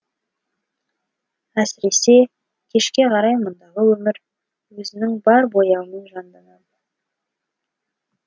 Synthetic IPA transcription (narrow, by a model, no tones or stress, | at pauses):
æsɪɾe̞se̞ | kʲʰe̞ʃkʲe̞qʰɑɾɑjmʊnd̪ɑʁəwɵmɪɾ | wɵzɪnɪŋbɑɾbo̞jɑwəmenʒɑnd̪ɑnɑd̪ə